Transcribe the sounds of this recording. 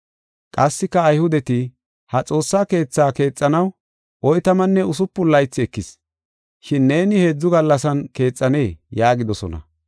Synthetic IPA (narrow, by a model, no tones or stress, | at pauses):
kʼɐsːɪkːɐːjhʊd̪ɛt̪ɪ | hɐt͡sʼo̞ːsːaːke̞ːt͡sːaːke̞ːt͡sʼːɐnɐw | ʔɔjt̪ɐmɐnːɛʊsʊpːʊlːɐjt͡sːɪɛkːɪs | ʃɪnːe̞ːnɪhe̞ːd͡zːʊɡɐlːɐsɐnke̞ːt͡sʼːɐne̞ːjaːɡɪd̪ɔsɔ̰nɐ̰